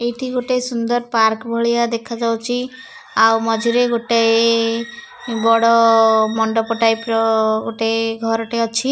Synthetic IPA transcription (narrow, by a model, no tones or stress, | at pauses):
ejʈʰiɡoʈesund̪ɔɾpaɾkbʱɔɭijad̪ekʰad͡ʒawt͡ʃʰi | awmɔd͡ʒʱiɾeɡoʈej | bɔɽɔmɔɳɖɔpɔʈajpɾɔɡoʈeɡʱɔɾɔʈeɔt͡ʃʰi